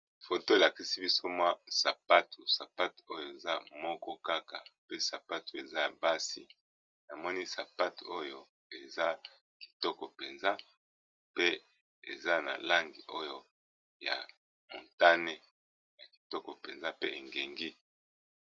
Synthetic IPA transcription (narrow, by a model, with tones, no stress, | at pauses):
fo˨to˦e˨la˨ki˦si˦bi˦so˦mwa˦sa˨pa˦tu˨sa˨pa˦to˦jo˦˨e˨za˦mɔ˦kɔ˦ka˦ka˨pe˦sa˨pa˦tu˨e˨za˦ja˨ba˦sḭ˦ | na˨mɔ˦ni˦sa˨pa˦tu˨o˦jo˦ | e˨za˦ | ki̥˨tɔ˦kɔ˨pe˨nza˦ | pe˦ | ḛ˨za˦na̰˨la˦ŋɡi˨ʔo˦jo˦ | ja̰˨ | mo̰˨nta˦ne˦ | ja˨ki̥˨tɔ˦kɔ˨pe˨nza˦pe˦ʔe˨ŋɡe˨ŋɡi˦